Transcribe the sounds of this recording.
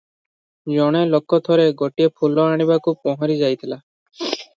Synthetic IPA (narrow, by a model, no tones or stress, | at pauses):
d͡ʒɔɽ̃elokːɔt̪ʰɔɾeɡɔʈiepʰulɔaɽ̃ibakupɔɦɔɾid͡ʒajt̪ʰila